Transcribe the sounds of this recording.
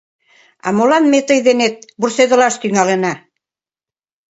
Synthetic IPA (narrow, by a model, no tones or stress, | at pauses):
ɑ̰molɑnmet̪ɤjðenet̪̚bursed̪ŏlɑʃt̪yŋɑlĕnɑ